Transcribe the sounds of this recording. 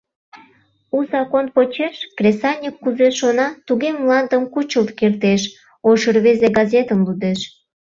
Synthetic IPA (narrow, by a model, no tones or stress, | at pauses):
uzɑkonpot͡ɕeʃkrʲesɑnʲikːuzeʃonɑt̪uɣemlɑnd̪əmkut͡ɕəlt̪kert̪eʃ | oʃərβezeɡɑzet̪əmlud̪eʃ